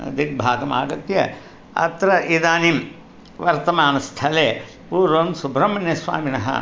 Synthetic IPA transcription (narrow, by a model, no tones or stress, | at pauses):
ɐ̰d̪ʱik̚bʱaːɡɐma̰ːɡɐt̪jɐ | ɐ̰t̪ɾɐʔid̪aːnim | ʋɐɾt̪ɐmaːnɐst̪ʰɐleː | puːɾʋɐnsubʱɾɐmɐnjɐsʋa̰ːminɐɦɐ̰